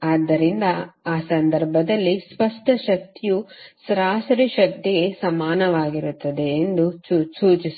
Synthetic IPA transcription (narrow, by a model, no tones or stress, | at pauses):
aːd̪ːɐɾind̪ɐaːsɐnd̪ɐɾbʱɐd̪ɐlːispɐʂʈʰɐʃɐk̚t̪ijusɾaːsɾiʃɐk̚t̪iɡe̞sɐmaːnɐʋaːɡiɾut̪ːɐd̪eːnd̪ususuːt͡ʃis